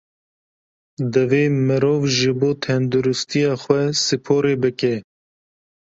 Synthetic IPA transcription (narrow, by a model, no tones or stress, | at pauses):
d̪ɨveːmɨɾoːvʒɨboːt̪ʰɛnd̪uɾʊst̪ijɑːxwɛsɨpʰoːɾeːbɨkɛ